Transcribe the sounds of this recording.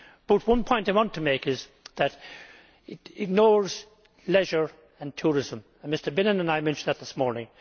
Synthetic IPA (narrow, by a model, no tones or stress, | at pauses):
b̥ʌt̚wʌ̃npʰɔ̃ɪ̃ntaɪwɑ̃ntʰəmeɪkɪz | ðɨɾ | ɪɾɪɡ̚nɔːɹz̥ | lɛʒə˞ | ə̃ntʰuːɹɪzə̃m | mɪstə˞bɪ̃nə̃nə̃naɪmɛ̃nʃn̩ðət̪̚ðɪsmɔːɹnɪ̃ŋ